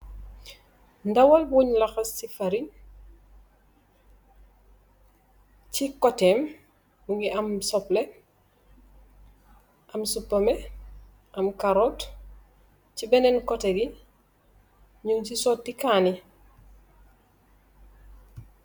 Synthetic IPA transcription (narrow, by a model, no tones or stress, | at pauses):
ndawalbuɲlaxɐsifaɾi | cikɔtɛːm | buŋɡiʔɐmsɔple | ʔɐmsupːɐme | ʔɐmkaɾot | cibɛnɛnkɔteɡi | ɲuŋsisɔtːikaːni